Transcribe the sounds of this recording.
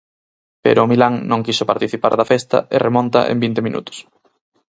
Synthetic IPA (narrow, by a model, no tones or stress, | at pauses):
pḛɾʊmilaŋnõŋkisʊpaɾt̪iθipa̰ɾðɐfɛst̪ɐ̰ɪremõnt̪ɐ̰ʔḛmbint̪ɪminṵt̪ʊ̥s